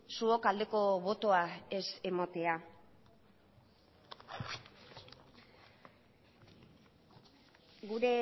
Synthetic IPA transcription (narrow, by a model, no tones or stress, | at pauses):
suokald̪e̞ko̞βo̞t̪o̞aese̞mot̪e̞a | ɡuɾe̞